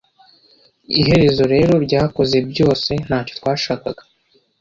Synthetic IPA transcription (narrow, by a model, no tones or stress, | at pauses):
ḭɦe̞ɾe̞zo̞ɾe̞ːɾo̞ɾɟaːhko̞ze̞bɟo̞ːse̞n̥haːco̞̥t̪waːʃaːkaɡḁ